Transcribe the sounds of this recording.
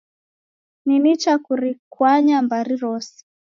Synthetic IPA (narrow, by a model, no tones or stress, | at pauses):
ninit͡ʃakuɾikwaɲambaɾiɾɔsi̥